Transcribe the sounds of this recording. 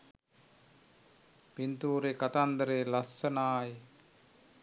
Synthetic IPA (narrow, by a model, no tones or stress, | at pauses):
pint̪uːɾekat̪and̪əɾeːlasənaːje